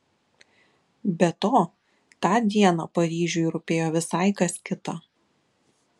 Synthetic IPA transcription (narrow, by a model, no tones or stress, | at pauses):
bʲɛt̪oː | t̪ɑːd̪ʲiɛnɑːpɐɾʲiːʒʲʊjɾʊpʲeːjoːʋʲɪsɐˑɪkɐsʲkʲɪt̪ɐ